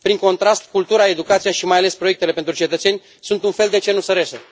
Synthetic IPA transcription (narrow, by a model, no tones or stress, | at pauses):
pɾiŋko̞nt̪ɾast̪kult̪uɾae̞d̪ukat̪sijaʃimajale̞spɾoe̞k̚t̪e̞le̞pent̪ɾut͡ʃe̞t̪ət̪se̞nʲ | sunt̪unfe̞ld̪e̞t͡ʃe̞nusəɾese